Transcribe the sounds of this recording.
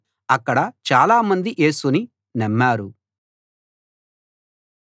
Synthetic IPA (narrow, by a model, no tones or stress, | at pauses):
ɐkːɐɽɐt͡ʃaːlaːmɐnd̪iʔe̞ːsuni | nɐmːaːɾu